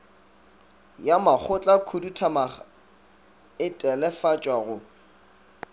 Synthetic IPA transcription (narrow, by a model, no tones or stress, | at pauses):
jamak͡xʰʊt͡ɬʼakʰudutʰama | ɪtʼɛlɛfat͡ʃʼwaɣʊ